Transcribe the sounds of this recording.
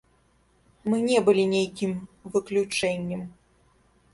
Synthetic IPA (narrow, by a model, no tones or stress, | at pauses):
mɨnʲɛbɨlʲinʲejkʲimvɨklʲut͡ʂɛnʲːɛm